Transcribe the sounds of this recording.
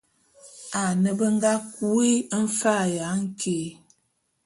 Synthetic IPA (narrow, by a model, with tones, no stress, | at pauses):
a˨nə˨bə˦ŋ˦ɡa˦ku˦i˦ə˦n̩˦fa˦˨ja˨˦ŋ̩˦kʰe˨˦